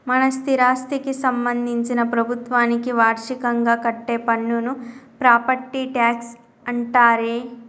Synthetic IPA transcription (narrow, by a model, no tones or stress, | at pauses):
mɐnɐst̪ʰiɾaːst̪ikisɐmbɐnd̪ʱiɲt͡ʃinɐpɾɐbʱut̪ʋaːnikiʋaːɾʂikɐŋɡaːkɐʈːeːpɐɳːunupɾaːpɐʈːiʈaːks | ɐɳʈaːɾeː